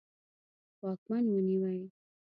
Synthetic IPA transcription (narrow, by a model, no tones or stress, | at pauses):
wɑkmanwəniwaj